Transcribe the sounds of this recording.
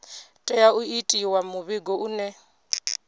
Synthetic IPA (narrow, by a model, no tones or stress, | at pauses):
tʼɛjauitʼiwamuβiɡɔʔunɛ